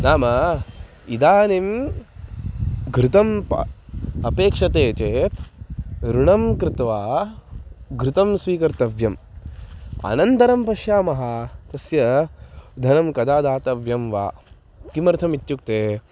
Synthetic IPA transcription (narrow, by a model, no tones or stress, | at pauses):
naːmɐ | id̪aːnim | ɡʱɾɪt̪ɐmpɐ̰ɐpeːkʂɐt̪eːt͡ʃeːt̪ | ɾuɳɐmkɾɪt̪ʋaː | ɡʱɾɪt̪ɐmsʋiːkɐɾt̪ɐʋjɐm | ɐ̰nɐnt̪ɐɾɐmpɐʃjaːmɐɦat̪ɐsjɐ | d̪ʱɐnɐmkɐd̪aːd̪aːt̪ɐʋjɐmʋa̰ː | kimɐɾt̪ʰɐmit̪juk̚t̪eː